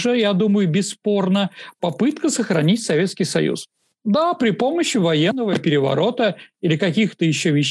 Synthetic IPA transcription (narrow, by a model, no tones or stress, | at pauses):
ʐɨjad̪uməjʊbʲɪsːpo̞rnəpɐpɨt̪kəsəxɾɐnʲitʲsɐvʲe̞t̪skʲɪjsɐ̰jṵs | d̪apɾʲɪpo̞məɕːɪvɐjenːəvəpʲɪɾʲɪvɐ̰ɾo̞t̪əilʲɪkɐkʲixt̪əjɪɕːovʲɪɕ